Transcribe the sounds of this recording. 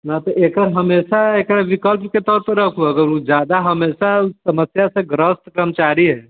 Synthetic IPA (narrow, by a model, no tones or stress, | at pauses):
nat̪ɔʔekəɾɦəmesaekɾaʋikəlpket̪ɔt̪ɾəkʰuəɡəɾud͡ʒad̪aɦəmesasəməsjasẽɡɾəst̪kɾəmət͡ʃaɾiɦɛ